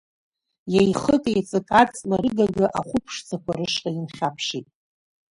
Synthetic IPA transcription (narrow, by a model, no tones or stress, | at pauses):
jajχəkʼjt͡sʼɨkʼat͡sʼnarɨɡaɡɨʔaχʷʊpʰʂt͡sʰakʷʰaɾɨʂqʼainχʲapʰʂitʼ